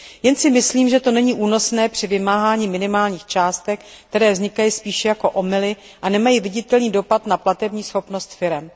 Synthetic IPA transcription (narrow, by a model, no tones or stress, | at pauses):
jɛnsɪmɪsliːmʒɛt̪o̞nɛɲiːʔuːno̞snɛːpr̝̥ɪvɪmaːɦaːɲiːmɪnɪmaːlɲiːxt͡ʃaːst̪ɛk̚k̚t̪ɛɾɛːvzɲɪkajispiːʃɛjako̞ʔo̞mɪlɪ | ʔanɛmajivɪɟɪt̪ɛlniːdo̞pat̪naplat̪ɛbɲiːsxo̞pno̞st̪fɪɾɛm